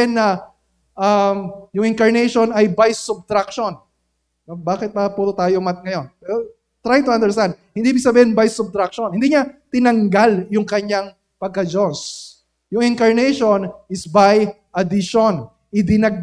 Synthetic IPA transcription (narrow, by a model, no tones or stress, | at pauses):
nːɐ | ʔɐmjʊŋɪŋkɐɹnɛjʃonɐjbajsʊb̚t̪ɾakʃonː | ɐbaːkɪt̪̚mɐpuːt̪ot̪aːjomɐt̪̚ŋɐjo̞npɛːɾo | t̪ɾajt̪ʊʔɐ̃nd̪ɛɹst̪and̪̚hɪnd̪ibiɡsɐbiːhɪnbajsʊb̚t̪ɾak̚ʃonhɪ̃nd̪iːɲɐt̪ɪnɐŋɡaljʊŋkɐɲaŋ | pɐɡ̚kɐd͡ʒos | jʊŋɪŋkɐɹnɛjʃonɪsbajʔɐd̪ɪʃon | ʔɪd̪ɪnɐɡ̚